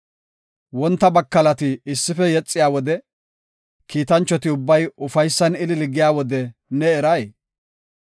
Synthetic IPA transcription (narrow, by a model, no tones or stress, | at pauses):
wɔnt̪ːɐbɐkːɐlɐt̪ɪɪsːɪfɛjɛt͡sʼːɪjaːwɔd̪ɛ | kʰiːt̪ɐnt͡ʃːɔt̪ɪʊbːɐjʊfɐjsːɐnɪlɪlɪɡɪjaːwɔd̪ɛnɛːɾɐj